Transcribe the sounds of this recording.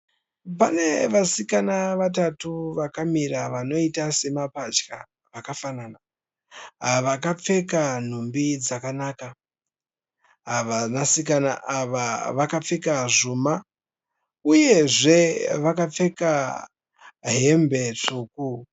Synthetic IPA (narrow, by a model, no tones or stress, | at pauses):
pane̞ʋasikanaʋat̬atuʋakamiraʋano̞itase̞mapad͡ʒka | ʋakafanana | ɦaʋakap͡fe̞kan̤umbid͡zakanaːka | aʋanasikanaʔaʋaʋakap͡fe̞kaʐuma | uje̞ʐe̞ʋakap͡fe̞ka | ɦe̞mbe̞t͡ʂuːku